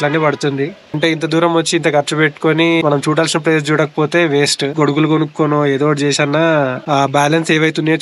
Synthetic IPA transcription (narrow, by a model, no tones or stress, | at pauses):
lɐnːiːpɐɽut̪und̪iɐɳʈe̞ːint̪̬ɐd̪uːɾɐmʋɐt͡ʃːiːnt̪ɐkɐɾt͡ʃɐpeʈːu̥konimɐnɐmt͡ʃuːɽaːlsinɐpɾeːst͡ʃuːɽɐkɐ̥poːt̪e̞ːʋeːsʈɡoɽuɡulukonukːonoːeːd̪oːʈt͡ʃɛːsaːnːaːbaːlɐnseːʋɐjt̪unɐjo